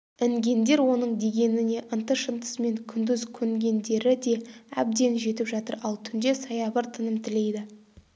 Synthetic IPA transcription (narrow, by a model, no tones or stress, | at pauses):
ɪŋɡʲe̞nd̪e̞ɾwo̞nəɴd̪e̞ɡʲe̞nɪne̞ʔənt̪əʃənt̪ə̥sme̞ŋkʲʰʏnd̪ʏzkʲʰɵŋɡʲe̞nd̪e̞ɾɪd̪e̞æ̰b̚d̪e̞nʒe̞t̪ɪpʒɑt̪ə̰ɾɑlˠt̪ʰʏnd̪e̞sɑjɑbəɾt̪ʰənəmt̪ʰɪle̞jd̪ɪ